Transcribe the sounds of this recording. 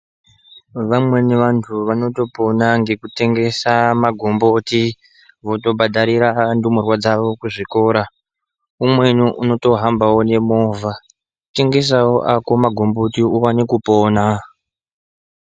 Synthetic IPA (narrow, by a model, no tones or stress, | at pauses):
ʋamwe̞ne̞ʋantʰuʋano̞to̞po̞naŋɡe̞kute̞ŋɡe̞samaɡʱo̞mboti | ʋo̞to̞bʱadʱaɾiɾandumurwad͡zaʋo̞kuʐiko̞ːɾa | umwe̞nuʔuno̞to̞ɦambawone̞mo̞ːvʱa | ute̞ŋɡe̞s̬awoʔako̞maɡʱo̞mbotiuwanekupo̞ːna